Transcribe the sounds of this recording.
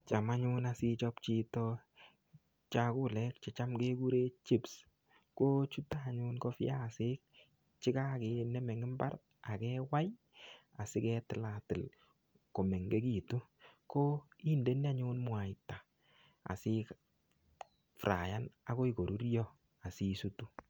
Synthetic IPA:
t͡ʃa˨ma˦ɲʊ˦na˨sɪ˧t͡ʃɔ˦pt͡ʃi˦tɔ˦ | t͡ʃa˨kʊ˦lɛ˦k̚t͡ʃɛ˨t͡ʃa˦mke˦ku˦ɾe˦t͡ʃi˦ps | ko˦t͡ʃu˦taː˨ɲʊ˦nko˦fja˦˨sɪ˦k̚ | t͡ʃɪ˦ka˦ke˨nɛ˦mɛ˨ŋɪ˦mba˦ɾ | a˨kɛ˦wa˦j | a˨sɪ˦kɛ˦tɪ˨la˨tɪ˨l | ko˨mɛ˨ŋɡe˦ki˨tu˦ko˦i˦nde˦n˦a˦ɲʊ˦nmwa˨ɪta˨ | a̰˨sɪ˦k | fɾa̰˨ja˦na˨ko˦i˨ko˨ɾu˦ɾjɔ˦ | a˨si˦su˦tu˦

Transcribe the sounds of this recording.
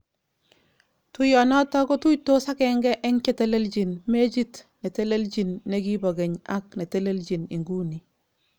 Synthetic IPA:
tu˦jɔ˨nɔ˦tɔ˦kɔ˦tu˦ito˦sa˦kɛ˨ŋɡɛ˦ʔɛ˦ŋke˦te˦le˦ld͡ʒi˨nme˦d͡ʒi˦tne˨te˦le˦ld͡ʒi˨nːe˨ɡi˦bɔ˨ɡɛ˨ɲa˦k̚ne˨te˦le˦ld͡ʒi˨ni˨ŋɡu˦ni˨

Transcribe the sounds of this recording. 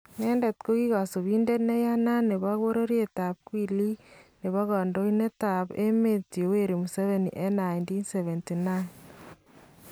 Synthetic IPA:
ne˦nde˨t̪ko˦ɣi˦ɣa˨so˨βi˦nde˦tne˦ja˦na˦ne˨βa˦ɣo˦ɾo˦ɾje˦ta˨p̚kwi˦li˦ne˨βa˦ɣɔ˨ndo˦ine˦ta˨pe˦me˦tje˨we˦ɾe˨mu˨se˦βe˨nḭ˨ʔe˦na˨jndi˦nse˨βe˨nti˨na˦n

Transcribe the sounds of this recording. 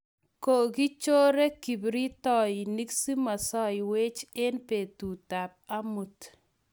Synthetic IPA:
ko˨ɡi˦t͡ʃo˦ɾe˦ki˨bɾi˦tɔ˦˨ji˨ni˦ksi˦ma˨sɔ˦jɪ˨we˦t͡ʃe˦npe˨tu˨ta˨p̚a˦mu˨t

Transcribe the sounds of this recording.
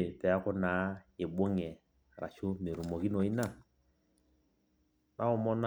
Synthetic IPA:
e˨pɛ˨a˦kɔ˦naː˨˦e˨bo˦ŋɛ˨ | ɾa̰˨t͡ʃo˦me˨ɾu˨mɔ˨ki˦nɔ˨i˦na˦˨ | nʔa˦ɔ˨mɔ˦n

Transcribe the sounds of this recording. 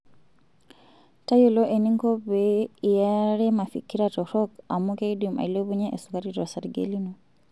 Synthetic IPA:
ta˦jo˦lɔ˦ʔe˨ni˦ŋkɔ˦bei˨ja˦ɾɛ˦ma˨fḭ˨ki˦ɾatɔ˨ɾɔ˦ka˨mu˦ke˦dima̰i˨le˦βu˦ɲɛʔe˨suka˦ɾitɔ˨sa˨ɾɡḛli˦nɔ

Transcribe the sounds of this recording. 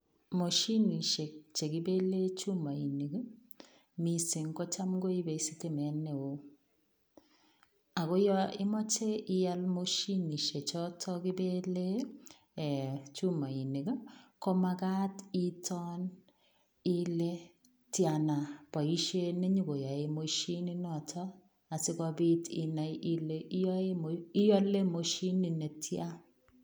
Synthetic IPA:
mo˨ʃi˦ni˨ʃe˨t͡ʃe˨ki˦be˦le˦t͡ʃu˦ma˨i˨ni˨ɡa˦ | mi˨si˨ŋkɔ˦t͡ʃa˦mɡo˦i˦be˨i˦si˦te˦mɛ˨˦ne˨o˨ | a˨kɔ˦jɔ˦ɪ˦mɔ˦t͡ʃe˦ɪ˦ja˦lmo˦ʃi˦ni˨ʃe˨t͡ʃɔ˦tʰɔ˦kɪ˦be˦le˦˨ | t͡ʃu˦ma˨i˨ne˨ɡa˦kɔ˦ma˦ka˦ti˦tʰɔ˦n | i˦le˦ | tja˨na˨pa˨i˦ʃe˦ne˦ɲu˦ko˨ja˨e˨mo˦ʃi˦ni˦nɔ˨tʰɔ˦ | a˨sɪ˦kɔ˦bɪ˦ti˨na˨˦le˦ji˦jɔ˦le˦mo˨ʃi˦ni˨ne˨tʰja˦

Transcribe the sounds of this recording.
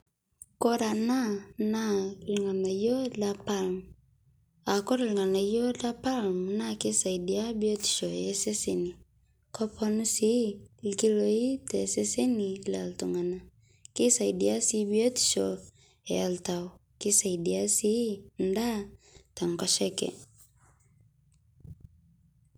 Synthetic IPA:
ko˦ɾa˨na˦na˦liŋa˨na˨jɔ˦la˦palmu | a˨ko˦ɾa˨liŋa˨na˨jo˦la˦pa˦lmuna˦ki˦sa˨idi˨a˦bi˦o˦ti̥˨ʃɔ˨ɛ˦se˦seni˨ | ko˦pʰonu˦si˦ki˦loi˦tɛsɛ˦se˦ni˨la˨ltu˨ŋa˨na | ki˦sa˨idia˦si˦bi˦o˦ti̥˨ʃɔ | ea˨ltaɔki˦sa˨idi˨a˦si˦n̩˦da˦ta˨ŋkɔ˦ʃɛ˦kɛ̰˨

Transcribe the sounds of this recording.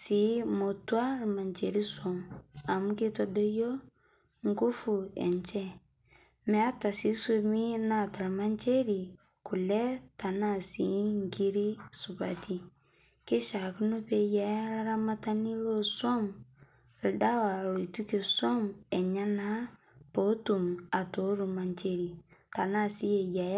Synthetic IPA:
si˨˦mo˨tu˦a˦lma˨nt͡ʃe˨ɾi˦so˨ma˨mu˦ke˦to˦do˦jo˦ | ŋ˦ku˦fu˨ḛ˨nt͡ʃe˦ | me˨a˦ta˨si˨˦so˦mi˦na˦˨ta˨lma˦nt͡ʃe˦ɾi˨ | ku˨lɛ˦ta˨na˦˨si˨˦ŋki˦ɾi˦su˨ba˨ti˦ | ke˦ʃa˨ku˦no˦pe˦ja˨ja˦la˦ɾa˦ma˦ta˦ni˦lo˦so˦m˨ | lda˦wa˨lo˨i˨tu˦ke˨so˦me˨ɲa˦na˦ | po˨˦tu˨ma˨to˨˦ɾu˨ma˨nt͡ʃe˦ɾi˨ta˨na˦˨si˦je˨ja˨j

